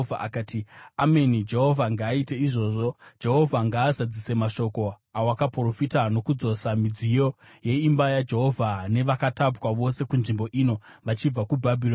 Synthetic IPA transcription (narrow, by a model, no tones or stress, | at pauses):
va̰ʔakaːtiamenid͡ʒe̞ɦo̞vʱaŋɡaːite̞iʐo̞ʐo̞d͡ʒe̞ɦo̞vʱaŋɡaːzad͡zise̞maʃo̞ko̞ | awakapro̞fitano̞kud͡zo̞samid͡zijo̞ | je̞imbajad͡ʒe̞ɦo̞vʱane̞ʋakatapwaʋo̞se̞kunʐimbo̞ʔino̞ʋat͡ʃib͡vakubʱabʱiro